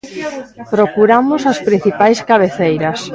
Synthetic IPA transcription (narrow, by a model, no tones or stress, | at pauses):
pɾokuɾamʊsɐspɾin̟θipajskaβ̞eθejɾɐs